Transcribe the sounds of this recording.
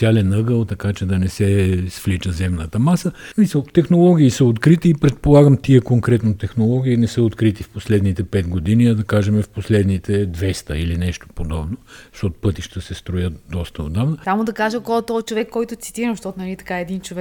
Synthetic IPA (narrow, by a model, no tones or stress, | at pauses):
sʲjalɛnɤɡəlˠt̪ɐkat͡ʃɛd̪ɐnɛsɛsflit͡ʃəzɛmnət̪əmasəsmisəlˠt̪ɛxnolˠɔɡ̟ʲiːsəot̪kɾit̪iːpɾɛt̪̚polˠaɡəmt̪iɛkoŋkɾɛt̪not̪ɛxnolˠɔɡ̟ʲiːnɛsɤot̪kɾit̪ifposlɛd̪nit̪ɛpɛd̪ɡod̪iniɐd̪ɐkaʒɛmɛfposlɛd̪nit̪ɛd̪vɛst̪əilinɛʃt̪o̥pod̪ɔbnoʃt̪ɔt̪ʊ̥pɤt̪iʃt̪əsɛst̪ɾojət̪d̪ɔst̪əo̰d̪avnəsamod̪ɐkaʒəkɔt̪ɔt͡ʃovɛkːɔjt̪ʊt̪si̥t̪iɾəʃt̪ɔt̪nɐlit̪ɐ̥kaɛd̪int͡ʃovɛ